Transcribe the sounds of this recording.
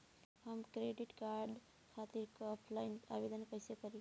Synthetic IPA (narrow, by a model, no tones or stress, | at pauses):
həmkɾeɖiʈkaɾɖ | kʰat̪iɾkːpʰlajna̰bed̪ənkəjsekəɾi